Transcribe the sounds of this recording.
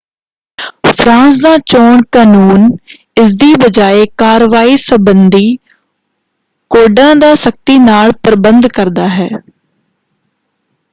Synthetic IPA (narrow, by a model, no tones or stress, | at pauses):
pʰɾãːns̬d̪aːt͡ʃoːɳkaːnuːn | ɪs̬d̪iːbəd͡ʒaːeːkaːɾʋaːiːsəbənd̪iː | koːɖãːd̪aːsək̚t̪iːnaːlpəɾbənd̪kəɾd̪aːɦɛː